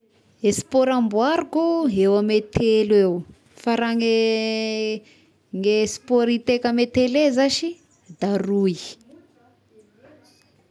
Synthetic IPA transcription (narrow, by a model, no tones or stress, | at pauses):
esi̥poɾambuaɾukuɦewamet̪ʰelwew | faɾaŋe | ŋespoɾit̪ekəmet̪elezaʃi | d̪arui